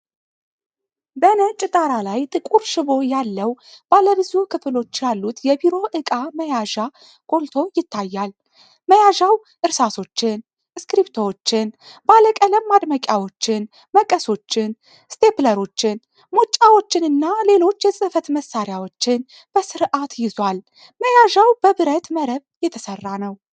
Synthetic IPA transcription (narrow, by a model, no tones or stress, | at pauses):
bənət͡ʃʼɪt̪ʼaɾalajt̪ʼɨkʼuɾʃɪβo̞jalːəwb̥aləbɨzukʰɨflo̞t͡ʃːjalːut̪jɛbiɾo̞ʔɨkʼaməjaʒa | kʼo̞lt̪ʰo̞jɪt̪ʰːajːal | məjaʒaw | ʔɨɾsaso̞t͡ʃːɪn | skɾipt̪ʰowot͡ʃːɪn | baləkʼələmːad̪məkʲʼjawo̞t͡ʃːɪn | məkʼəso̞t͡ʃːɪn | st̪ʰe̞pləɾo̞t͡ʃːɪn | mo̞t͡ʃʼːawo̞t͡ʃːɪnɨnːale̞lo̞t͡ʃːjɛsʼɨfət̪məsːaɾjawo̞t͡ʃːɪn | b̥əsɨɾʔat̪jɪzwal | məjaʒawb̥əβɨɾət̪məɾəβjɛt̪ʰəsərːanəw